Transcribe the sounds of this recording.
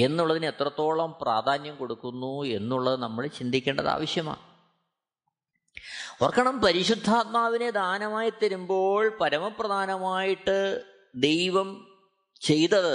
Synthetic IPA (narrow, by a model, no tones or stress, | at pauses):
e̞nːuɭːɐðine̞t̪rɐt̪ːo̞ːɭɐmpra̰ːd̪ʱaːnjɐmko̞ɽukːunːue̞nːuɭːɐðɨnɐmːɐɭt͡ɕind̪ʱikʲːe̞ːɳɖɐða̰ːʋɐɕjɐma̰ː | orɐkːɐɳɐmpɐɾiɕud̪ʱːaːt̪̚maːʋined̪ʱaːnɐmaːjit̪ːɐɾumbo̞ːɭpɐɾɐmɐprɐd̪ʱaːnɐmaːjiʈːɨ | d̪e̞jʋɐm | t͡ɕe̞jt̪ːɐðɨ